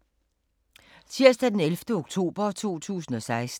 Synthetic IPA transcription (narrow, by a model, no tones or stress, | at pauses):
t͡sʰiɐsd̥æd̥enelfd̥əoɡ̥t͡sʰo̝̰ːb̥ɐt͡sʰo̝̰ːt͡sʰṵːsn̩ɒ̽sɑ̈ɪs